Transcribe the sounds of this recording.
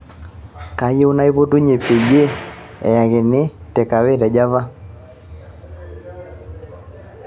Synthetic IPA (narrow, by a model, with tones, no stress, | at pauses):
ka˨je˦u˦na˦i˦po˦tu˦ɲe˨pe˨ɡe˦ | ɛ̰˨ja˨ɣɪ˨nɪ˦tɛ˨ka˨we˦˨dɛ˨d͡ʒa˦va˦